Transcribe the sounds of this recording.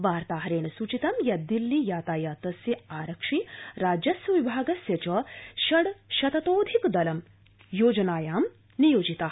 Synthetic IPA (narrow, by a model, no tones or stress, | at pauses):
ʋaːɾt̪aːɦɐɾeːɳɐsut͡ʃit̪ɐmjɐd̪ilːijaːt̪aːjaːt̪ɐsjɐaːɾɐkʂiɾaːd͡ʒjɐsjɐʋibʱaːɡɐsjɐt͡ʃɐʃɐɽʃɐt̪ɐt̪oːd̪ʱikd̪ɐlɐm | joːd͡ʒɐnaːjaːm | nijoːd͡ʒit̪aː